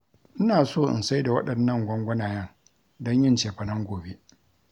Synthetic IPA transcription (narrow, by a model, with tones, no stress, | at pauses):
ʔɪ˦naː˨soː˦˨ʔɪ̰˨nsa˦jda˨wɐ̰˦ɗɐ˨nːɐ˦˨ŋɡʷɔ˦ŋɡʷɐ˦naː˨jɐ˦ŋ | dɔ˦ɲjɪ˦nt͡ʃeː˨ɸɐ˨nɐ˦ŋɡʷoː˨be˦